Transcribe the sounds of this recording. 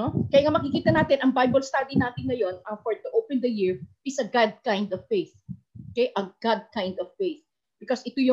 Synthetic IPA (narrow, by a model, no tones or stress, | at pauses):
okɐjaŋamɐkikiːt̪ɐnaːt̪ɪnʔɐŋbajbɐlst̪ad̪inaːt̪ɪnɐjonɐfoɹt̪ʊʔowpɛ̃nd̪ɐjɪɹʔɪsɐɡad̪̚kãjnd̪ɔv̥fejθ | okejʔɐɡad̪̚kãjnd̪ɔv̥fejθ | b̥ɪkosɪt̪ujʊ